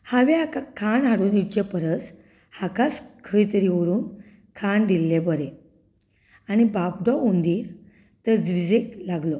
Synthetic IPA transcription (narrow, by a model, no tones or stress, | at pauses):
haʋeakakʰaɳaɽuːnit͡ɕepəɾət͡s | hakaskʰəjt̪əɾiʋəɾuːn | kʰaɳɖ̪ilːebəɾe | añibabɖɔond̪iːɾ | t̪əd͡zʋid͡zeklaɡlɔ